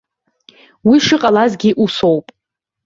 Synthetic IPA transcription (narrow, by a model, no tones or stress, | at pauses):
wiʂɨqʼalazɡʲiʔusowpʼ